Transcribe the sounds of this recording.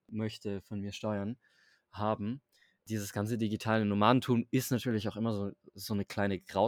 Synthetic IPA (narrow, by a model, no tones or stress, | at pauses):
mœçtəfɔnmiːɐʃtɔʏɐn | haːbm̩ | d̥iːzəsɡ̥ant͡sədiɡitʰaːlənomaːdn̩tʰuːmɪstnatʰyːɐlɪçaʊxʔɪmɐzoːzoːnəkl̥aɪnəɡ̥ʁaʊ